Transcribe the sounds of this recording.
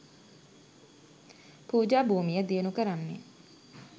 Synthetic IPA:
puːd͡ʒaːbuːmijəd̪eənukəɾanːḛ

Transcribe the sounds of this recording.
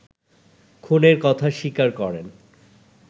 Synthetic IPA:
kʰoneɾkɔt̪ʰaʃikaɾkɔɾen

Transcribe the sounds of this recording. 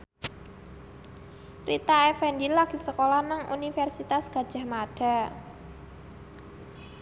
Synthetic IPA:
rit̪aɛfɛndilaɡ̥i̤səkolahnaŋʔṵnifɛrsit̪asɡ̥a̤d̥ʒ̥a̤hmaɖ̥a̤

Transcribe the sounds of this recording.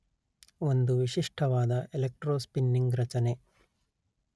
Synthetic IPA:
o̞nd̪uʋiʃiʂʈʰɐʋaːd̪ɐelek̚ʈɾoːspinːiŋɡɾɐt͡ʃɐne̞

